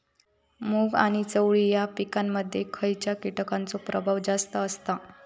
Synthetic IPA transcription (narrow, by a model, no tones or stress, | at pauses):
muːɡa̰ɽ̃it͡səwɭijapikamːəd̪ʱːjekʰəjt͡ɕjakiʈəkant͡sopɾʔəbʱaʋd͡zast̪əːst̪a